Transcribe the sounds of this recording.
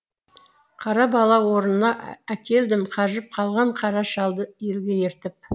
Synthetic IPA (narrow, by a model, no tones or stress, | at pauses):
qʰɑɾɑbɑlˠɑwo̞ɾənənɑækʲe̞ld̪ɪmqʰɑʒəp̚qʰɑlˠʁɑɴqʰɑɾɑʃɑlˠd̪əje̞lɡʲe̞jeɾt̪ɪp̚